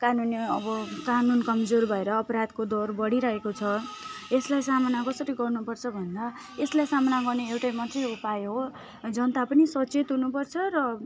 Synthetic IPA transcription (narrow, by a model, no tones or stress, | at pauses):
kanuniʌbʌkanunkʌmd͡zorbʱʌeɾʌːpʌɾad̪kod̪orbʌɽiɾʌɦekot͡sʰʌeslajsamʌnakʌsʌɾiɡʌrnupʌrt͡sʰʌbʱʌnd̪a | eslajsamʌnaɡʌrneewʈajmʌt̪reupajeɦo | d͡zʌnt̪apʌnisʌt͡set̪ɦunupʌrt͡sʰʌrʌ